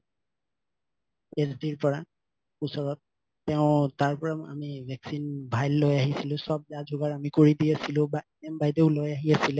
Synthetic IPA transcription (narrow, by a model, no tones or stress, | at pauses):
ezdiɹpɔɹa | ʊsɔɹɔt̚ː | ɛʊ̃taɹpɔɹama̰mibʱɛksinbʱajlːojaɦisilʊ̃sɔb̚dad͡ʒʱʊɡaɹamikoɹidiasilʊ̃ba | ɛmbajdeʊlojaɦiasilɛ